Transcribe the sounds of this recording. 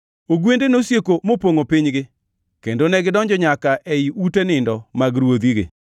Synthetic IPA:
oɡwendenosjekomopoŋopɪɲɡɪ | kendonɛɡɪdɔɲd͡ʒɔɲakaʔɛiutenɪndɔmaɡɾwod̪iɡɪ̰

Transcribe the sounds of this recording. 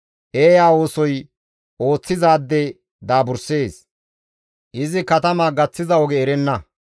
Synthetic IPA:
ʔeːjaːwo̞ːsɔj | o̞ːt͡sːɪzaːd̪ːɛ | d̪aːbʊɾseːs | ʔɪzɪkɐt̪ɐmaːɡɐt͡sːɪzɐɔɡɛːɾɛnːɐ

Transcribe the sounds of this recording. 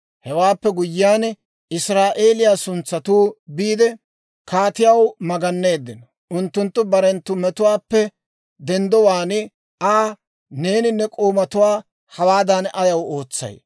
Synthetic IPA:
hɛwaːpːɛɡʊjːɪjaːn | ɪsɾaːʔe̞ːlɪjaːsʊnt͡sːɐt̪uːbiːd̪ɛ | kaːt̪ɪjɐwmɐɡɐnːe̞ːd̪ːɪnɔ | ʔʊnt̪ːʊnt̪ːʊbɐɾɛnt̪ːʊmɛt̪ʊwaːpːɛ | d̪ɛnd̪ɔwaːnɪ | aː | ne̞ːnɪnːɛkʼoːmɐt̪ʊwaː | hɐwaːd̪ɐnʔɐjɐwoːt͡sːɐ̰j

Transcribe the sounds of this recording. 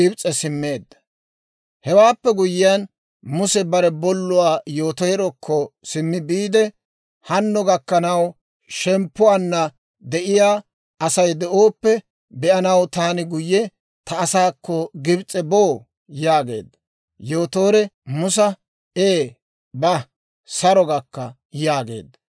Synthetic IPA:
ɪbt͡sʼɛsɪmːe̞ːd̪ːɐ̥ | hɛwaːpːɛɡʊjɪjan | mʊsɛbɐɾɛbɔlːʊwaːjoːt̪ɔjɛɾɔkʰːɔsɪmːɪbiːd̪ɛ | hɐnːɔɡɐkːɐnɐw | ʃɛmpːʊwanːɐ | d̪ɛʔɪjaː | ɐsɐjd̪ɛʔoːpːɛ | bɛʔɐnɐwt̪aːnɪɡʊjːɛ | t̪ɐːsaːkːɔɡɪbt͡sʼɛboː | jaːɡe̞̰ːd̪ːɐ | joːt̪o̞ːɾɛmʊs̬ɐ | eː | bɐ | sɐɾɔɡɐkːɐ | jaːɡe̞̰ːd̪ːɐ

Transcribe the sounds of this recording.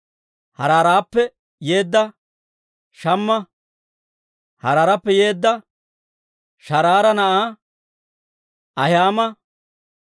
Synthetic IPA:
hɐɾaːɾaːpːɛ | je̞ːd̪ːɐ | ʃɐmːɐ | hɐɾaːɾɐpːɛje̞ːd̪ːɐ | ʃɐɾaːɾɐnɐʔaː | ʔɐjaːmɐ

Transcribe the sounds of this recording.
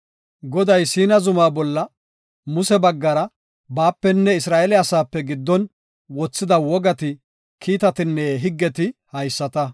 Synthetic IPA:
ɡɔd̪ɐjsiːnɐzʊmaːbɔlːɐ | mʊsɛbɐɡːɐɾɐ | baːpːɛnːɛɪsɾaːʔɛlɪɐsaːpːɛɡɪd̪ːɔn | wɔt͡sːɪd̪ɐwɔɡɐt̪ɪ | kʰiːt̪ɐt̪ɪnːɛɦɪɡːɛt̪ɪhɐjsːɐt̪ɐ

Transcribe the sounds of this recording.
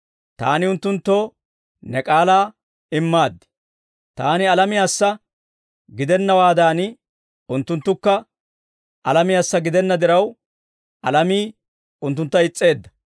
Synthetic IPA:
t̪a̰ːnɪʊnt̪ːʊnt̪ːo̞ː | nɛkʼaːlaː | ɪmːaːd̪ːɪ̥ | t̪aːnɪɐlɐmɪjaːsːɐ | ɡɪd̪ɛnːɐwaːd̪aːn | ʊnt̪ːʊnt̪ːʊkːɐ | ɐlɐmɪjaːsːɐɡɪd̪ɛnːɐd̪ɪɾɐw | ɐlɐmiː | ʊnt̪ːʊnt̪ːɐɪt͡sʼːe̞ːd̪ːɐ̥

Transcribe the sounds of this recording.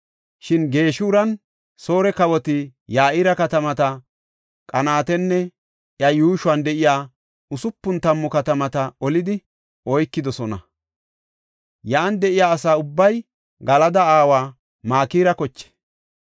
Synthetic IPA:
ʃɪnɡe̞ːʃuːɾɐn | so̞ːɾɛkɐwɔt̪ɪjaːʔɪɾɐkɐt̪ɐmɐt̪ɐ | kʼɐnaːt̪ɛnːɛ | ʔjɐjuːʃʊwɐnd̪ɛʔɪjaː | ʊsʊpːʊnt̪ɐmːɔkɐt̪ɐmɐt̪ɐɔlɪd̪ɪ | ʔɔjkːɪd̪ɔsɔnɐ | jaːnd̪ɛʔɪjaːsaːʊbːɐj | ɡɐlɐd̪ɐaːwaː | maːkiːɾɐkɔt͡ʃːɛ̥

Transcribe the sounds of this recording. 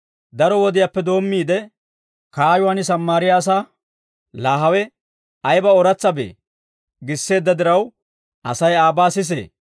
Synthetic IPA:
d̪ɐɾɔwɔd̪ɪjaːpːɛd̪o̞ːmːiːd̪ɛ | kaːjʊwaːnɪs̬ɐmːaːɾɪjaːs̬a | laːɦɐwɛ | ɐjbɐɔɾɐt͡sːɐbḛː | ɡɪsːe̞ːd̪ːɐd̪ɪɾɐw | ʔɐsɐjaːbaːsɪs̬ḛː

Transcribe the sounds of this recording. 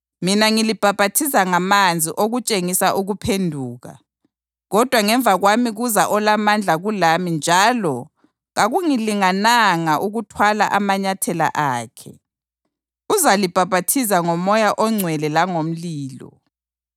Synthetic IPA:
minaŋilib̥ʱab̥ʱatʰisaŋamand͡zʱiʔoɣut͡ʃʼeŋisaʔuɣupʰendʱuːɣa̰ | ɣɔd̥ʱwaŋɛɱvʱaɣwamiɣuzaʔɔlamand͡ɮʱaɣulamind͡ʒʱaːlɔ | ɣaɣuŋiliŋanaŋaʔuɣutʰwala̰ʔamaɲatʰɛla̰ʔaːkʰɛ̰ | uzalib̥ʱab̥ʱatʰizaŋɔmɔjaʔɔŋ͡ǀʱwɛlɛlaŋom̩liːlɔ̰

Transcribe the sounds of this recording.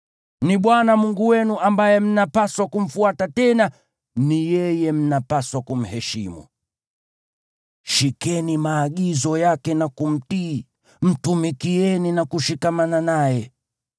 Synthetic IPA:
niɓwanamuŋɡuwɛnuʔambajɛm̩napaswakum̩fuatatɛna | nijɛjɛm̩napaswakum̩hɛʃḭmṵ | ʃikɛnimaːɠizɔjakɛnakum̩tiː | m̩tumikiɛninakuʃikamananajɛ

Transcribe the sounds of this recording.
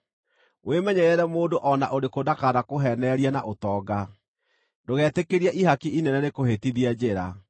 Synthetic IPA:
wemɛɲɛɾɛɾɛmoːdoʔɔnaʔoɾekodakaɾakoɦɛnɛɾiana̰ʔotɔːɡa | doɣɛːtekeɾiaʔihakiʔinɛnɛɾekohetiðiad͡ʑeɾa̰

